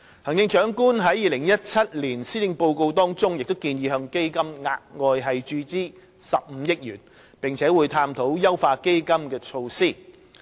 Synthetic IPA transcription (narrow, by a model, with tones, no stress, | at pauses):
hɐ˨˩ŋjɪ˧ŋt͡ʃœː˨˥ŋkuː˥nɦɐ˨˥jiː˨˧lɪ˨˩ŋjɐ˥t̚t͡sʰɐ˥t̚liː˨˩nsiː˥t̪ɪ˧ŋpo˧wko˧wt̪ɔː˥ŋt͡sʊ˥ŋjɪ˨k̚t̪o˥wkiː˧njiː˧hœː˧ŋke˥jkɐ˥mŋaː˧t̚ŋɔː˧jɦɐ˨jt͡ʃyː˧t͡siː˥ | sɐ˨p̚m̩˨˧˥jɪ˥k̚jyː˨˩n | pɪ˨ŋt͡sʰɛː˨˥wuː˨˧jt̪ʰaː˥mt̪ʰo˨˥wjɐ˥wfaː˧ke˥jkɐ˥mkɛː˧t͡ʃʰo˧wsiː˥˩